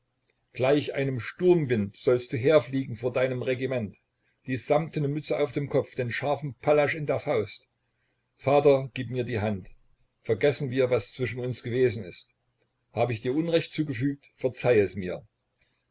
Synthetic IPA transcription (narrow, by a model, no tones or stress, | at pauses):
ɡ̥laɪçʔa̰ɪnəmʃtʊɐmvɪntz̥ɔlst̚d̥uːɦeːɐfliːɡŋ̩foːɐdaɪnəmʁeɡimɛnt | d̥iːsz̥amtʰənəmʏt͡səaʊfd̥eːmkʰɔp͡fd̥eːnʃaɐfn̩pʰalaʃɪndeːɐfaʊst | faːtɐɡ̥iːpmiːɐdiːɦant | fɛɐɡɛsn̩viːɐvast͡sv̥ɪʃn̩ʊnsɡ̥əveːzn̩ɪst | haːbəɪçd̥iːɐʔʊnʁɛçt̚t͡suːɡəfyːk̚tfɛɐt͡saɪɛsmiːɐ